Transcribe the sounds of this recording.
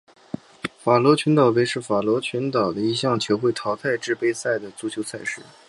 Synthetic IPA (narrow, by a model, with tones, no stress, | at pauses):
fa˨˩lwɔ˧˥t͡ɕʰy˧˥nt̪ɑ˨˩ʊwe˧˥ɪʂɻ̩˥˩fa˨˩lwɔ˧˥t͡ɕʰy˧˥nt̪ɑ˨˩ʊd̪ə˦i˧˥˧ɕjɑ˥˩ŋt͡ɕʰjo˧˥ʊxwe˥˩ɪt̪ʰɑ˧˥ʊt̪t͡sʰa˥˧ɪʈ͡ʂɻ̩˥˧pe˥ɪsa˥˩ɪd̪ə˩t͡su˧˥˩t͡ɕʰjo˧˥ʊt͡sʰa˥˧ɪʂɻ̩˥˩